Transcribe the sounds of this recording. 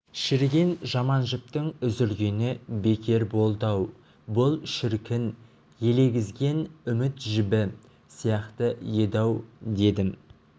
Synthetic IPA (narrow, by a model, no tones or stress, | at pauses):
ʃɪɾɡʲe̞nʒɑmɑnʒɪp̚t̪əŋʏzɪɾɡʲenɪbe̞kʲe̞ɾbo̞lˠd̪ɑw | bʊlˠʃɪɾkʲɪn | je̞le̞ɡʲɪzɡʲe̞nʏmɪt̪ʒɪbɪ | sijɑqt̪əje̞d̪ɑwd̪e̞d̪ɪm